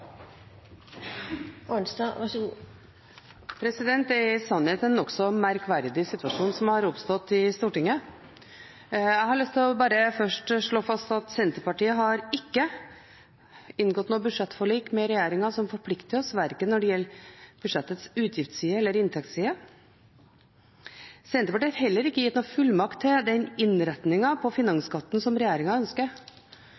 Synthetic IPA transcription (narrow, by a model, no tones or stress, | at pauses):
ɔnsd̪ɑʋæʂɡuː | pʰɾɛsɪd̪ɛnt̪ɛɾsɑnheːt̪ɛnɔksɔmæɾkʋæɾd̪ɪsɪt̪ːʉɑʂuːnsɔmhɑɾʊpst̪ɔt̪ːɪst̪uːʈɪŋːə | æɪhɑɾɭʏst̪ʰɪlɔbɑːɾəfœʂʈʂɭoːfɑst̪ɑt̪sɛnt̪əpɑʈiːəɦɑɾɪkːə | ɪnɡɔt̪nuːbʉd̪ʂɛt̪ːfɔɭiːkmɛɾɛjeːɾɪŋɑsɔmfɔɾpʰlɪkt̪ɪɔsʋæɾkənɔɖɛjɛlːɾb̥ʉd̪ʂɛt̪ːət̪sʉːt̪ʰjɪft̪siːəɛlːəɾɪnt̪ʰɛkt̪siːə | sɛnt̪əpɑʈiːɑɾhɦɛlːəɾɪkːəjɪt̪ːnuːfʉlmɑkt̪ʰːɪd̪ɛnɪnɾɛt̪nɪŋɑpʰɔfɪnɑŋskʰɑt̪ːn̩sɔmɾɛjeːɾɪŋɑœnskəɾ